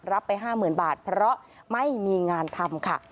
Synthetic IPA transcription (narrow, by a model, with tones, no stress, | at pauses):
ɾa˦˥pːa˧jɦaː˥˩mɯː˨˩˦nbaː˨˩t̪̚pʰɾɔ˦˥ʔ | ma˥˩jmiː˧ŋaː˧nt̪ʰa˧mkʰa˥˩